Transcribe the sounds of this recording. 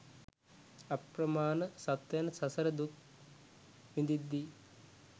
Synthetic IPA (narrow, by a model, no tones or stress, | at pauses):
ɐpɾɐmaːnɐsɐt̪jɐnɐsɐsɐɾɐd̪uk | ʋind̪id̪ːi